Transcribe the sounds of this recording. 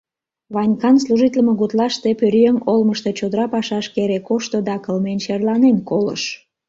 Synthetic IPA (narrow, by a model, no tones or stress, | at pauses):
βɑnʲkɑnsluʒit̪ləmeɣut̪lɑʃt̪epøɾjøŋolməʃt̪e̽t͡ɕod̪əɾɑpɑʃɑʃkeɾekoʃt̪od̪ɑkəlmenʃerlɑnenkolə̰ʃ